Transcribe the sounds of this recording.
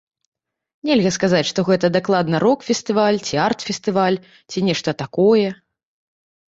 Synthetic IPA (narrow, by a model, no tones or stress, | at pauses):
nʲɛlʲɣɐskazat͡sʲʂt̪ɔɣɛt̪ɐd̪aklˠad̪nɐɾɔkfʲɛst̪ɨvalʲt͡sʲiart̪fʲɛst̪ɨvalʲ | t͡sʲinʲɛʂt̪ɐt̪akɔjɛ